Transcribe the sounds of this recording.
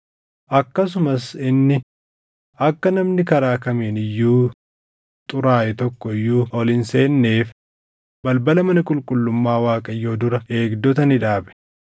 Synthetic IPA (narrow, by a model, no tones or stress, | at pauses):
ʔɐkːɐs̬ʊmɐsɪnːɪ | ɐkːɐnɐmnɪkɐɾaːkɐmeːnɪjːuː | t̪ʼʊɾaːʔɛt̪ɔkːɔɪjːuːɔlɪnseːnːe̞ːf | bɐlbɐlɐmɐnɪkʼʊlkʼʊlːʊmːaːwaːkʼɐjːo̞ːd̪ʊɾɐe̞ːɡd̪ɔt̪ɐnɪᶑaːbɛ̥